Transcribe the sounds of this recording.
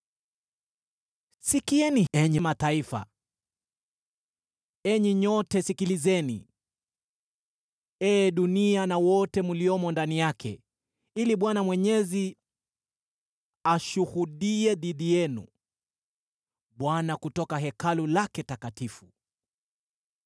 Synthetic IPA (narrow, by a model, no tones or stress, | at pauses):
sikiɛniɛɲɛmataifa̰ | ɛɲɛɲɔtɛsikilizɛnḭ | ɛːɗunianawɔtɛmuliɔmɔndanijakʰɛ̰ | iliɓwanamwɛɲɛzi | aʃuhuɗiɛðiðijɛnṵ | ɓwanakutɔkaɦɛkalulakɛtakatifu